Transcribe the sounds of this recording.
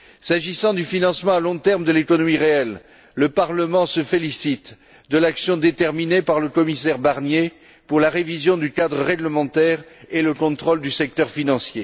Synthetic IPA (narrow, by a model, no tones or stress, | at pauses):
saʒisɑ̃d̪yfinɑ̃smɑ̃alɔ̃t̪ɛʁmd̪əlekɔnɔmiʁeɛlː | əpaʁləmɑ̃səfelisit̪ | d̪əlaksjɔ̃d̪et̪ɛʁminepaʁləkɔmisɛʁbaʁnje | puʁlaʁevizjɔ̃d̪ykad̪ʁəʁeɡləmɑ̃t̪ɛʁeləkɔ̃t̪χɔld̪ysɛk̚t̪œʁfinɑ̃sje